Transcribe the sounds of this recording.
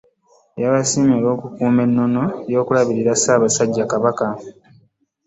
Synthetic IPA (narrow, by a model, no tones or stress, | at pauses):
jaβasimoːlo̞ːkukuːme̞nːo̞no̞jo̞ːkulaβiɾiɾasaːβasaɟːakaβaka